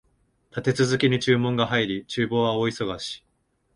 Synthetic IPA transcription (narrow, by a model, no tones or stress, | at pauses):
t̪at̪e̞t͡sɨzɨkʲiɲ̟it͡ɕɨːmõ̞ŋɡaɦaiɾʲit͡ɕɨːbo̞ːβaoiso̞ɡaɕi̥